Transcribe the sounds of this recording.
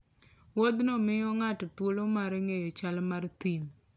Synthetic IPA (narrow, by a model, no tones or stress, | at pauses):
wod̪nomɪjɔŋatt̪wolomaɾŋejɔt͡ʃalmart̪im